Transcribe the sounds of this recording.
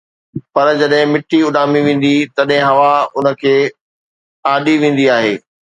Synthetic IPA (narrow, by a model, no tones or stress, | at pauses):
pɐɾd͡ʑɐɗɦɪ̃mɪʈːiʊɗaːmiʋẽːn̆d̪it̪ɐɗɦɪ̃ɦɐʋaʊnə̆kʰeː | aːɗiʋẽːn̆d̪iaːɦeː